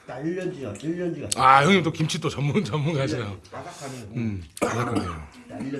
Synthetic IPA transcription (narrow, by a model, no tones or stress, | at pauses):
ajʌŋɲimnt̬͈okimt͡ɕʰit͈ot͡ɕʌmːunt͡ɕʌmːuŋad͡ʑinajo | manak͈ɯdeo